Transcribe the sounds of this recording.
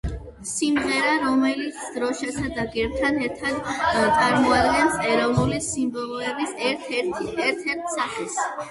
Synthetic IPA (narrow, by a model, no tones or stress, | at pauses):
simʁɛɾaɾɔmɛlit̪sʰd̪ɾɔʃasad̪aɡɛɾt̪ʰad̪ɛɾt̪ʰad̪t̪sʼaɾmɔad̪ɡɛnsɛɾɔvnulisimbɔlˠɔɛbisɛɾt̪ɛt̪ʰɛɾt̪ʰɛɾt̪ʰsaχɛs